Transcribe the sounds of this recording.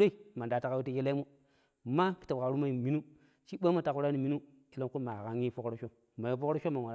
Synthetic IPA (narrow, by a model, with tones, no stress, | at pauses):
ɾe˦i˨ma˨nda˨ta˦ka˦wi˦ta˦je˦la˦mo˦˨ | ma˦ki̥˨ta˨ka˨ɾu˦ma˦i˨mi˦nu˦ | t͡ʃi˦ɓa˦ma˨ta˨ku˦ɾa˦ni˨mi˦nu˦ | ki˦lo˦mku˦ma˨ɣa˨ŋi˦fo˦kɾo˦ʃo˦ | ma˨ji˨fo˦kɾo˦ʃo˦ma˨a˨a˨